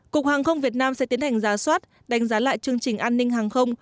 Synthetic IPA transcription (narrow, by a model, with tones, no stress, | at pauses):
ku˨˩ək̚haː˨˩ŋxə˧wŋ͡mvi˨˩ət̚naː˧msɛ̰˧˥t̪i˨˦ənha˨˩jŋ̟zaː˨˩swaː˦˥t̚ | ɗa˨˦jŋ̟zaː˨˦la̰ː˧˨jt͡ɕɨ˧əŋt͡ɕï̟˨˩ʔaː˧nːï˧ŋ̟ɦaː˨˩ŋxə˧wŋ͡m